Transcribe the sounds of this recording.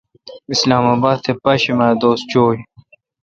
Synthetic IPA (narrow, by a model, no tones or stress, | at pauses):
islaːmaːbaːd̪̚t̪ʰepɐɕimaːjd̪oːst̪̚t͡ɕoːj